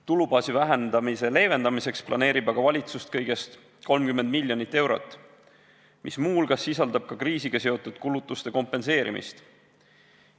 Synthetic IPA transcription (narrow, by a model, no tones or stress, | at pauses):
t̪ulubɑːsivæɦend̪̥ɑmise̞le̞ːve̞nd̪ɑmise̞ksplʔɑ̰ne̞ːɾibɑɡ̥ɑvɑlʲit̪sust̪̚kɤjɡ̥e̞st̪ | ko̞lmkymːe̞nd̪milʲːjonit̪ːe̞wɾo̞̰t̪ːˑ | mʔismuːlɡ̥ɑsːisɑld̪̥ɑb̥̚kɑkriːsiɡ̥ɑse̞o̞t̪ːˑud̪̥kulut̪ːˑust̪eko̞mpːˑe̞nse̞ːɾḭmḭst̪